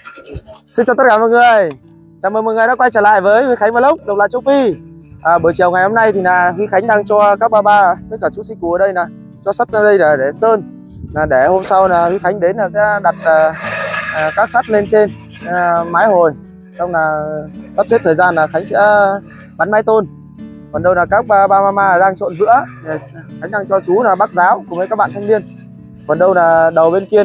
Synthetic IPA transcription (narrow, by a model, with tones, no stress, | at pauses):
si˧nt͡ɕaː˧˩t̪ə˦˥t̚kaː˧˩mvəː˧˨ŋɨ˨˩əj | t͡ɕaː˧˨˩məː˨˩jmə˨˩jŋɨ˨˩jɗa̰˧˦kwa˧jt͡ɕəː˧˩la̰ː˧˨jvəː˨˦jhwi˧˩xa˨˦jŋvːlə˦˥wk͡p̚ɗw̚laː˧˨jt͡ɕə˧˦wfi˧ʔəː˨˩ɓə˧˩t͡ɕi˨˩əwŋa˨˩jho˧mna˧jt̪ʰi˨˩naː˨˩hwi˧xa˨˦jŋ̟ɗaː˧ŋt͡ɕɔ˧kaː˦˥k̚ɓaː˧ɓaː˧kəː˧˦jkəː˧˩t͡ɕu˨˦si˧ku˨˩ə˨˩ɗə˧jnaː˨˩ | t͡ɕɔ˧sa˦˥t̚zaː˧ɗə˧jnaː˨˩ɗe˧˩səː˧n | naː˨˩ɗe˧˩ho˧msa˧wnaː˨˩hwi˧˦xa˨˦jŋ̟ɗe˨˦nlaː˨˩sɛ̰˧˥ɗa˨˩t̚aː˨˩˨ | kaː˦˥k̚sa˦˥t̚le˧nt͡ɕe˧n˨˩ | maː˨˦jɦo˨˩j | sa˧wŋ͡mnaː˨˩sa˦˥t͡ɕe˦˥t̪ʰəː˨˩jzaː˧nːaː˨˩xa˨˦jŋ̟sɛ̰˧˥ | ɓa˨˦nmaː˨˦jt̪o˧n | kɔ˨˩nɗə˧wnaː˨˩kaː˦˥k̚ɓaː˧ɓaː˧maː˧maː˧˨˩zaː˧ŋt͡ɕo̰˧˨nvɨ̰˧˥əɗe˨˩xa˨˦ŋ̟ʔa˧ŋt͡ɕɔ˧t͡ɕu˨˦naː˨˩ɓaː˦˥k̚zaː˨˦wkʊ˧˨˩mə˨˦jka˦˥k̚ɓa̰ː˧˨t̪ʰə˧ŋ͡mmi˧ən | kɔ˨˩nɗə˧wnaː˨˩ɗə˨˩wɓe˧nki˧ə